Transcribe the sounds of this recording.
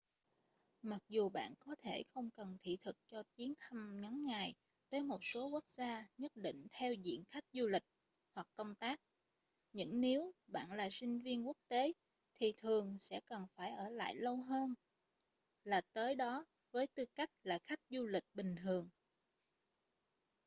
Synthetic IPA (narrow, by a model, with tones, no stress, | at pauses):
ma˨˩k̚zu˨˩ɓa̰ː˧˨nkɔ˨˦t̪ʰe˧˩xə˧wŋ͡mkə˨˩nt̪ʰḭ˧˨t̪ʰɨ˨˩k̚t͡ɕɔ˧t͡ɕi˨˦ənt̪ʰa˧mŋa˨˦nŋa˨˩j | t̪əː˨˦jmo˨˩t̚so˨˦ku˦˥k̚zaː˧ɲə˦˥t̚ɗḭ̈˧˨ŋ̟t̪ʰɛ˧wzḭ˧˨ənxa˦˥jk̟̚zu˧lï˨˩k̟̚ | hwa˨˩kkːə˧wŋ͡mt̪aː˦˥k̚ | ɲɨ̰˧˥ŋne˨˦wɓa̰ː˧˨nlaː˨˩sï˧ŋ̟vi˧ənku˦˥ək̚t̪e˨˦ | t̪ʰi˨˩t̪ʰɨ˨˩əŋsɛ̰˧˥kə˨˩nfaː˧˩jʔəː˧˩la̰ː˧˨jlə˧wɦəː˧n | laː˨˩t̪əː˨˦jɗɔ˨˦ | vəː˨˦jt̪ɨ˧ka˦˥jk̟̚laː˨˩xa˦˥jk̟̚zu˧lï˨˩k̚ɓï˨˩ŋ̟t̪ʰɨ˨˩əŋ